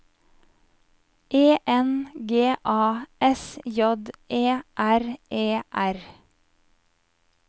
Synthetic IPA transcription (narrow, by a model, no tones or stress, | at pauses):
ʔeːʔɛnɡeːʔɑːʔɛsjɔd̪ʔeːʔæɾʔeːʔæɾ